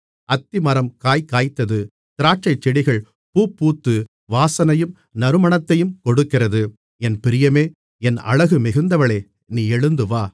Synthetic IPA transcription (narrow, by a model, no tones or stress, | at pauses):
ɐt̪ːɪmɐɾɐmkaːjkaːjt̪ːɐðɯ | t̪ɪɾaːʈ̚t͡ʃɐɪt͡ʃːɛɽɪɣɐɭ | puːpːuːt̪ːɯ | ʋaːsɐnɐjɯm | nɐɾɯmɐɳɐt̪ːɐjɯmkɔɽɯkːɪrɐðɯ | ɛnpɪɾɪjɐmeː | ɛnɐ̰ɻɐɣɯmɪɣɯnd̪ɐʋɐɭeː | niːɛɻɯnd̪ɯʋaː